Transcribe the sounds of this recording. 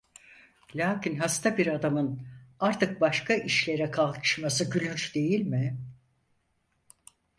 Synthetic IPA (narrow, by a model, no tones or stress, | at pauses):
lʲaːcʰinɦast̪ʰabiɾad̪amɯnaɾt̪ʰɯk̚baʃkʰaʔiʃlʲe̞ɾɛkʰalˠkʰɯ̥ʃmasɯɟylʲyɾd̪e̞jilʲmɪ